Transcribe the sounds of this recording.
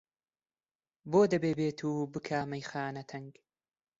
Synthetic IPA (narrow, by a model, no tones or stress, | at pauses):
boːd̪ɐbeːbeːt̪ʰuːbɨkʰaːmɐjxaːnɐt̪ʰɐŋɡ